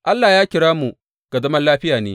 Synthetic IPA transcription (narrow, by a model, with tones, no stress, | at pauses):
ʔa˦lːaː˨jaː˦kʲɪ˨ɽaː˦mu˨ | ɡ̥a˨dɐ˦mɐ˦nlaː˦ɸɪ˦jaː˨nḛː˦